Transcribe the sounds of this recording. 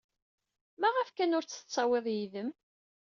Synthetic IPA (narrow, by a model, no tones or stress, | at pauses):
mæʁəfkænʊɾt͡sːə̥t͡sˤːɑweðˤjiðəm